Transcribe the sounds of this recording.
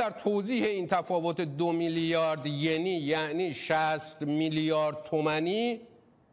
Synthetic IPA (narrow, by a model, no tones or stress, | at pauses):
æɾt̪ʰoːziːhe̞iːnt̪ʰæfɒːvot̪ʰed̪omiljɒːɾd̪jeniːjæʔniːʃæst̪miljɒːɾd̪̚t̪ʰomæniː